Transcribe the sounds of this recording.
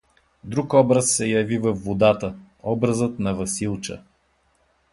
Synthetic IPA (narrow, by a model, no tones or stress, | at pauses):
d̪ɾukɔbɾəsːɛjɐvivɐfːod̪at̪ə | ɔbɾəzət̪nɐvɐsilˠt͡ʃə̰